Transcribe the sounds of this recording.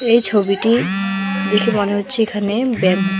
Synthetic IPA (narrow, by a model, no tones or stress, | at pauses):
ejt͡ɕʰobiʈi | d̪ekʰemoneɦotːɕʰeekʰanebɛm